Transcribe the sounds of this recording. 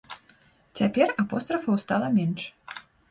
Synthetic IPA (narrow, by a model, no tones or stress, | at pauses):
t͡sʲapʲɛrapɔst̪ɾɐfɐwst̪alˠɐmʲɛnʂ